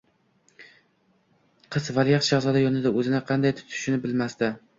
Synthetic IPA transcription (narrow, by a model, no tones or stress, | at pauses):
qʰɨzvaljaqd͡ʒazɒd̪ajɒnɪd̪aɵzɪnɪqʰɑnd̪ajt̪ʰʊ̥t̪ʰɪ̥ʃnɪbɪlmast̪ɪ